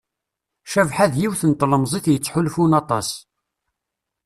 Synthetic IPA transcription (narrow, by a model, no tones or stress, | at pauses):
ʃævħaðjiwθənt̪ˤːləmzˤiθjət͡sːħulfunɑt̪ˤɑ̰s